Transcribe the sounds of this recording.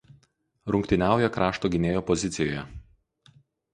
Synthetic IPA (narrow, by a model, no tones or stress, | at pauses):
ɾʊŋʲkʲt̪ʲɪnʲæˑʊjɛkɾɑːʃt̪oːɡʲɪnʲeːjoːpɔzʲɪt̪sʲɪjoːjɛ